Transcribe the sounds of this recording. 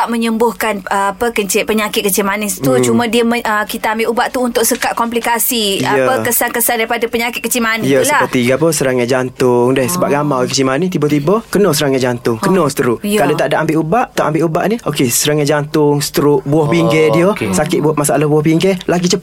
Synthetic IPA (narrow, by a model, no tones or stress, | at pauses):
aʔməɲəmbʊhkanəapəkət͡ʃɪʔpəɲakɪt̪̚kət͡ʃɪmanɪst̪ut͡ʃumãdiəməəkit̪aːmbɪlʔubaʔt̪uːnt̪ʊk̚səkaʔ̪̚kɔmplikasiajəəkəsankəsandaɾipadapəɲakɪt̪̚kət͡ʃɪmanjəsəpət̪iɡapɔsəɾaŋjad͡ʒant̪ʊŋdɛhsəbaʔ̚ɡamakət͡ʃɪmanit̪ibɔt̪ibɔkənɔsəɾaŋɲad͡ʒant̪ʊŋkənɔsə̥t̪əɾʊʔkalot̪aʔdaʔambɪʔubaʔt̪aʔambɪʔuba̰ʔniokesəɾaŋɲad͡ʒant̪ʊŋsə̥t̪əɾʊʔbuɔhpiŋɡɛdiosakɪt̪ʔ̚buat̪̚masalahbuɔhpiŋɡɛlaɡit͡ʃə